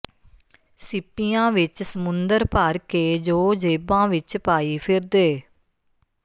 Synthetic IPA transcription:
sɪpːijãːʋɪt͡ʃsəmʊnd̪əɾpaːɾkeːd͡ʒoːd͡ʒeːbãːʋɪt͡ʃpaːiːpʰɪɾd̪eː

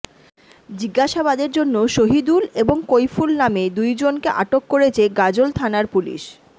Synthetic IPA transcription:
d͡ʑiɡːaʃabad̪eɾd͡ʑonːoʃoɦid̪uleboŋkojfulnamed̪ujd͡ʑonkeʔaʈokːoɾet͡ɕʰeɡad͡ʑolt̪ʰanaɾpulḭʃ

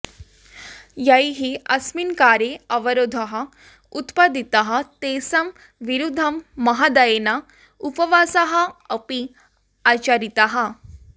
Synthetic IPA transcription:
jɐjɦiɐsminkaːɾeɐʋɐɾoːd̪ʱɐɦɐ̆ | ut̪pɐd̪it̪ɐɦɐ̆t̪eːsɐm | ʋiɾud̪ʱɐmːɐɦad̪ɐjenɐ | upɐʋaːsɐɦɐɐpi | aːt͡ʃɐɾit̪ɐɦɐ

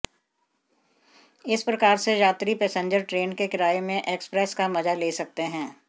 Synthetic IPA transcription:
ɪspɾɐkaːɾsejaːt̪ɾipɛːsẽɲd͡ʒəɾʈɾeːnkekɪɾaːemẽʔeːkspɾɛskamɐzaleːsɐk̚t̪eɦɛ̃ː

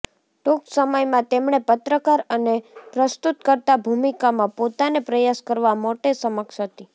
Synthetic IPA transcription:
ʈoksəməjmãt̪emɳ̃epət̪ɾəkaɾənepɾəst̪ut̪kəɾt̪abʱumikamãpot̪anepɾəjaskəɾʋamoʈesəməkʃɦət̪i

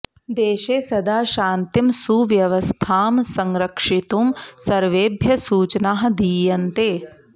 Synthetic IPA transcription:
d̪eːʃeːsɐd̪aːʃaːnt̪imsuʋjɐʋɐst̪ʰaːmsɐŋɾɐkʂit̪umsɐɾʋeːbʱjɐsuːt͡ʃnaːɦɐ̆d̪iːjɐnt̪eː

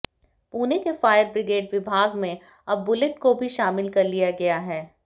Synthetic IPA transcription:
puːnekefaːjəɾbɾɪɡeːɖʋɪbʱaːɡmẽ | ɐbːʊlɪʈkobʱiʃaːmɪlkɐɾlijaɡɐjaɦɛː

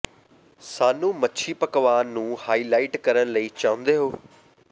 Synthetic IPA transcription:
saːnũːmətːʃʰiːpəkʋaːnũːhaːiːlaːɪʈkəɾənləiːt͡ʃaːʊ̃nd̪eːɦoː

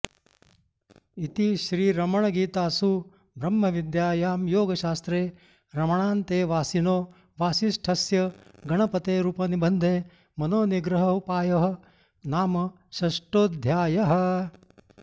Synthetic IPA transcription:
it̪iʃɾiːɾɐmɐɳ̃ɐɡiːt̪aːsu | bʱɾɐmːɐʋid̪jaːjaːmjoːɡɐʃaːst̪ɾeː | ɾɐmɐɳaːnt̪eːʋaːsinoː | ʋaːsiʃʈʰɐsjɐɡɐɳɐpɐt̪eːɾuːpɐnibɐnd̪ʱeː | mɐnoːniɡɾɐɦɐupaːjɐɦɐ̆ | naːmɐ | ʃɐʂʈoːd̪ʱjaːjɐɦɐ̆

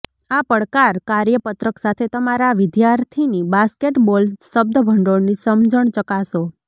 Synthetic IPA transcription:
apəɭkaɾkaɾjəpət̪ɾəksat̪ʰet̪əmaɾaʋɪd̪jaɾt̪ʰinibaskeʈbolsːəb̚d̪əbʱəɳɖonisəmd͡ʒəɳt͡ʃəkaʃo

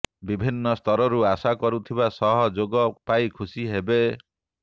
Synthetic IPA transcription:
bibʱinːɔst̪ʰɔɾɔɾuasakɔɾut̪ʰibasɔɦɔd͡ʒoɡɔpajkʰusiɦebe

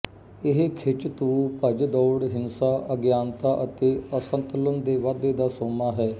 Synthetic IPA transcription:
ɪɦkʰɪt͡ʃt̪uːpəd͡ʒd̪ɔːɽɦɪnsaːʔəɡjaːnt̪aːʔət̪eːəsənt̪ələnd̪eːʋad̪eːd̪aːsoːmaːɦɛː

